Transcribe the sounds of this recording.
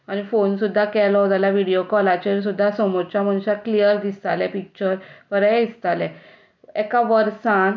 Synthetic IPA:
añifonsud̪ʱːakɛlɔt̪aljaʋiɽijokɔlat͡ɕeɾs̬ud̪ʱːasɔmɔɾt͡ɕjaməñuɕaklijəɾd̪ist̪alɛ̃pik̚t͡ɕəɾpəɾɛist̪alɛ̃ | ekaʋəɾsãn

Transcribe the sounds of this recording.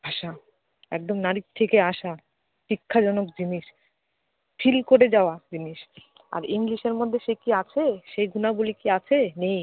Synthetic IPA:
bʱaʃa | ɛ̰k̚d̪omnaɾik̚t̪ʰekeaʃa | ʃikʰːad͡ʑɔnok̚d͡ʑiniʃ | fʰilkoɾed͡ʑaoad͡ʑiniʃ | a̰ɾiŋliʃeɾmod̪ʱːeʃekiat͡ɕʰeʃejɡʱunabulikiat͡ɕʰenej

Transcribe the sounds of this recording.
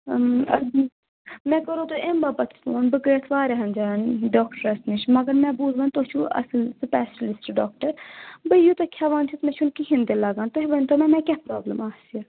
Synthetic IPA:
ɐ̰ | mɛ̃ːkɐɾoːt̪oʔembaːbɐt̪ʰtoːnbɨɡəːt̪ʰʋaːɾeɦɐnd͡ʒaːnɖoːkʈəɾɐsniʃmɐɡɐɾmɛ̃buːzʋɐːnt̪ot͡ʃʰuɐ̰ssɨpɛːslɪsʈɖoːkʈɐɾbɐijut̪ɐkʲʰjaːʋaːnt̪ʰit̪mɛ̃t͡ʃʰunkiɦĩnd̪elɐɡaːnt̪oɦiʋɐnʲt̪omɛ̃mɛ̃kʲɛpɾaːbləmaːsiɐ

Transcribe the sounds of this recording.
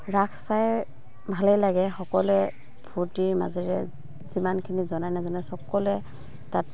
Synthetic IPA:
ɹakʰsaj | bʱalɛjlaɡɛxɔkɔlɛ | b̥ʱuɹtiɹma̰zɛɹɛ | zimankʰinizɔnajnazɔnɛsɔkɔlɛ | tat

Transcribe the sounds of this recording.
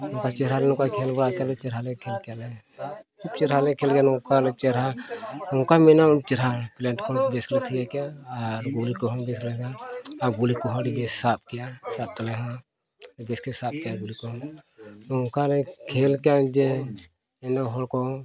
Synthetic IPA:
ɔkat͡ʃɛɾalɛnũkakʰɛlbɔɽakalɛt͡ʃɛɾɦalɛkʰɛlkɛjalɛ | kub̚t͡ʃɛɾɦalɛkʰɛlkɛjanukalɛt͡ʃɛɾɦauŋkamɛnat͡ʃɛɾɦaplɛɳʈkɔbɛsklɛt̪ʰiɡakɛjaːɾɡulikɔɦɔ̃bɛsklɛɡaaɡulikɔɦɔɖibɛssap̚kɛjasap̚t̪ɔlɛɦɔa | ɖibɛskɛsap̚kɛjaɡulikɔɦɔnukalɛkʰɛlkɛjad͡ʒɛ | ɛndɔɦɔlkɔ

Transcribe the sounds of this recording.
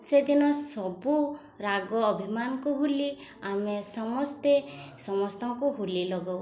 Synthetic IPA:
sed̪inɔsɔbu | ɾaɡɔːbʱimanɔkuɦuliamesɔmɔst̪esɔmɔst̪ɔŋkuɦulilɔɡɔw

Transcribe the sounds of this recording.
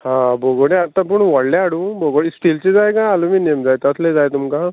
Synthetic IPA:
hãboɡoɽeat̪ːãp̬uɳʋəɽlaaɽũːbʱoɡoɽisʈilt͡ɕed͡zajkãaluminijəmd͡zajt̪ət̪ʰled͡zajt̪umka

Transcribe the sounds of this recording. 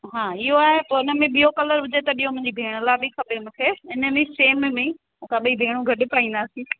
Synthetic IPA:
ɦãːɪɦoaːɦepoːɪnəmẽɓijokɐləɾʊd͡ʑʱet̪ɐɓijɦõmʊ̃ɪ̃ɲd͡ʑibʱeːɽ̃əlaːbʱixɐbʱemũːkʰeɪnə̆mẽseːmmẽ | ʊ̃kʰaɓɐibʱeːɽ̃ũɡʱɐɗɪ̆paːĩːnd̪aːsĩː

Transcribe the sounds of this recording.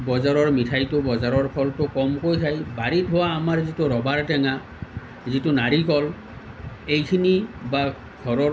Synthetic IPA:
bɔzaɹɔɹmitʰajtʊbɔzaɹɔɹpʰɔltʊkɔmkojtʰajbaɹitɦɔwaːmaɹzitʊɹɔbaɹtɛŋa | zitʊnaɹikɔl | ejkʰiniba | ɡ̥ʱɔɹɔ

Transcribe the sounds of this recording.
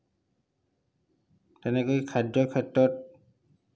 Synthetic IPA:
tɛnɛkojkʰadɹɔkʰɛtɹɔt̚

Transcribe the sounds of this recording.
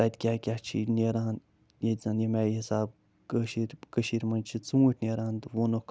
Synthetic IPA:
at̪ʲkʲaːkʲat͡ʃʰḭneɾaːn | jezanjemaːjihisaːb̚ | kəʃiɾʲkəʃiɾʲmɐnt͡ʃʰit͡sũːəʈʲnʲeːɾaːnt̪ʋonok

